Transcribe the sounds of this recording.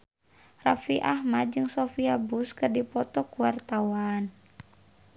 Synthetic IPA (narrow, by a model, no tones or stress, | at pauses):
rafiʔahmad̪̚d͡ʒɨŋsofiabuskɨrdipɔt̪ɔkuwart̪awan